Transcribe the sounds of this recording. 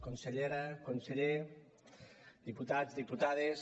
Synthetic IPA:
konseʎeɾakonseʎe | d̪iput̪azd̪iput̪aðes

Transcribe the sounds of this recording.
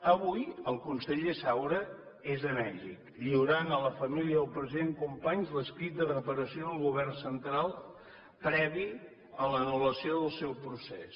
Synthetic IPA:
əβujəlˠkunseʎesawɾə | ezənɛʒḭkʎiuɾanələfəmiliəəlˠpɾəziðeŋkumpaɲzləskɾit̪̚d̪ərəpəɾəsioðəlˠɣuβɛrnsənt̪ɾalˠ | pɾɛβi | ələnuləsioðəlˠsɛwpɾuses

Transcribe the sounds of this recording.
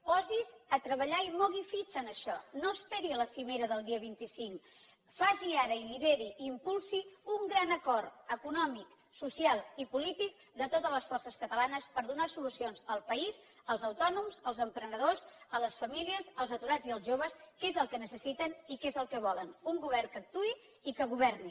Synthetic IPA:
pɔzizət̪ɾəβəʎaimɔɣifit͡ʃənəʃɔnoəspɛɾiələsimeɾəðəlˠd̪iəβ̞int̪isiŋk | faʒiaɾəiliðeɾiʔimpulˠsiuŋɡɾanəkɔɾəkunɔmik | susialˠipulit̪ik̚ | d̪ət̪ot̪ələsfɔrsəskət̪əlanəspəɾðunasulusionzəlˠpəiz | əlˠzəwt̪ɔnumzəlˠzəmpɾənəð̞ozələsfəmiliəzəlˠzət̪uɾad͡ziəlˠzʒoβ̞əskezəlˠkənəsəsit̪ənikezəlˠkəβ̞ɔlənuŋɡuβ̞ɛrkək̚t̪ui | ikəɣuβ̞ɛrni

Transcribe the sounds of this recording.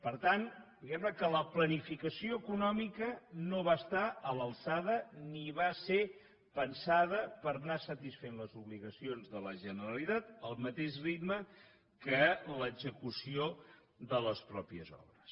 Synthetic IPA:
pəɾt̪and̪iɣɛmnəkələplənifikəsioəkunɔmikənoβaəst̪aələlˠsaðəniβase | pənsaðəpəɾnasət̪isfenləzuβliɣəsionzðələʒənəɾəlit̪at̪̚əlˠmət̪eʃrit̪mə | kələɡzəkusio | ðələspɾɔpiə̰zɔ̰βɾəs

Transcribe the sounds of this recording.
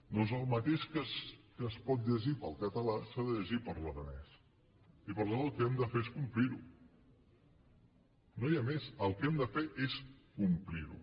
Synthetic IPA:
d̪ɔzəlˠmət̪eʃkəskəspɔt̪̚ʎəʒipəlˠkət̪əlasaðəʎəʒipəɾləðənɛ̰s | ipəɾðaðəlˠkəɛmd̪əfeeskumpliɾu | nojamezəlˠkɛmd̪əfeʔeskumpliɾṵ

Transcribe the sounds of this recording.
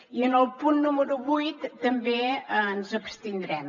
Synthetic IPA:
iənəlˠpunːuməɾuβujt̪ːəmbeənzəpst̪ind̪ɾɛm

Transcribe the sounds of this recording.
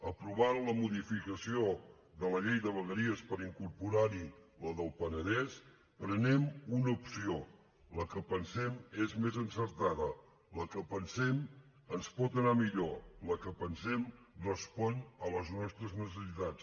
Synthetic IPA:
əpɾuβanləmuðifikəsio | ðələʎejðəβəɣəɾiəspəɾiŋkuɾpuɾaɾi | ləðəlˠpənəðɛs | pɾənɛmunəupsio | ləkəpənsɛmezmezənsəɾt̪aðə | ləkəpənsɛm | ənspɔt̪ənamiʎoləkəpənsɛm | rəspɔnələznɔst̪ɾəznəs̬əsit̪at͡s

